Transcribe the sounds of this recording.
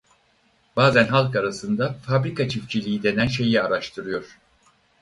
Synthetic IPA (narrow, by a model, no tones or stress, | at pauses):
b̥aːzænɦalˠkaɾasɯnd̪afabɾikʰat͡ʃʰifcʰilʲijid̪e̞nænʃe̞jiaɾaʃt̪ʰɯɾɯjo̞ɾ̥